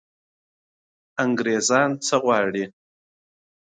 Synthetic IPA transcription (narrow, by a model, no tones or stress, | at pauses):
aŋɡɾezɑnt͡səʁwɑɽi